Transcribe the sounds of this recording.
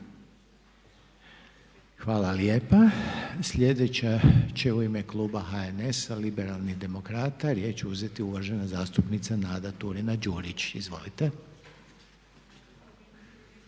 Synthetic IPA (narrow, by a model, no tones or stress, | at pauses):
xʋaːlaljeːpasʎʲe̞d̪et͡ɕat͡ɕe̞uime̞klˠuːbaxaene̞salibe̞ɾalˠniɣd̪e̞mo̞kɾaːt̪aɾje̞ːt͡ɕeuze̞t̪iuʋaʒe̞nazaːst̪upnit̪sanaːd̪at̪uɾinad͡ʒuːɾit͡ɕizʋo̞̰lit̪e